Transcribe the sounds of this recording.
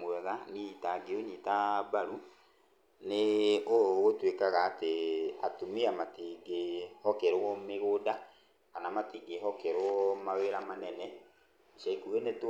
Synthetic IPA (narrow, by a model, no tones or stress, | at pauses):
mwɛɣanitaɡeonitabaɾu | neoɣotwekaɣaːteatumiamatiɡehɔkɛɾoɔmeɣoda | kanamatiɡeɦɔkɛɾwɔmaweɾamanɛnɛ | iʃaikuɣenet